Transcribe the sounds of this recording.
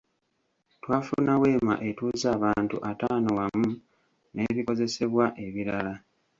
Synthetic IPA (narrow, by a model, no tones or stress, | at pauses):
twaːfunawe̞ːma̰ʔe̞tuːzaːβaːntṵʔataːnowamu | ne̞βiko̞ze̞se̞βwaʔe̞βiɾala